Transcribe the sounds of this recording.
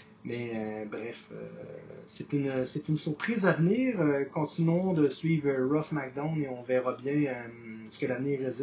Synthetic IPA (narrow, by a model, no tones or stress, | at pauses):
mɛøbʁɛfø̰set̪ynøset̪ynsyʁpχizavniːʁøkɔ̃t̪inɔ̃d̪əsɥiːvəʁɔfmak̚d̪ãʊneɔ̃vɛːʁɑbjɛ̃øsə̥kəlavniːʁez